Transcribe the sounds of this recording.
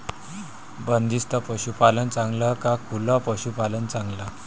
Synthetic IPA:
bənd̪ist̪əpəɕupalənt͡sãŋɡləkakʰulapəɕupalənt͡sãŋɡla

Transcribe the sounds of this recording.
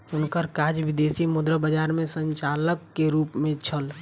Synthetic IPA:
ʊnkəɾkaːd͡ʒʋɪd̪eːsimʊd̪ɾəbəd͡ʒaːɾmẽsə̃ɲt͡ʃaːləkːeɾuːpmẽt͡ʃʰəl

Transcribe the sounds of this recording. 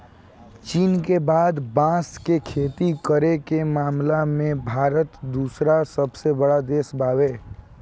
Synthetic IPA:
t͡ʃiːnkebaːd̪bãːskekʰeːt̪ikəɾekemaːmlamẽbʱaːɾət̪d̪uːsɾasəbsebəɽad̪eːsbaːweː

